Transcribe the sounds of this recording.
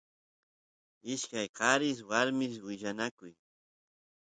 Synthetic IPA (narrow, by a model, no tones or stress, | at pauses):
ɪʃkajqɑɾɪswaɾmɪswɪʎanakʊj